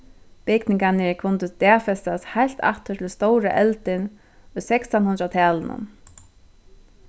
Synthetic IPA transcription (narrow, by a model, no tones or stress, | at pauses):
pɪknɪŋkanɪkʰʊnt̪ət̪ɛːfɛst̪ashajl̥t̪ʰa̰ht̪ʊt̪ʰɪlst̪owɾa̰ʔɛlt̪ɪn | ʊjsɛksanhʊnɾat̪ʰɛːlɪnʊ̰n